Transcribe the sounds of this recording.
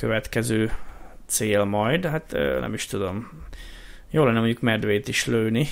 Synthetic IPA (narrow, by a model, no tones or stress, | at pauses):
køvɛt̪kɛzøːt̪seːlmɒjd̪ɦat̪ø̰nɛ̰miʃt̪ud̪o̞m | joːlɛnːɛmo̞ɲɟukmɛd̪ʋeːt̪iʃløːlni